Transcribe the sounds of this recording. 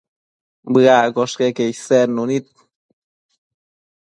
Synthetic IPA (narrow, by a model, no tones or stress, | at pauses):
bɨakoʂkekeiseɾnunit̪̚